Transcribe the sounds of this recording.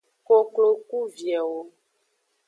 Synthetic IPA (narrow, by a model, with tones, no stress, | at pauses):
ko˨klo˨ku˦vjɛ˨wo˦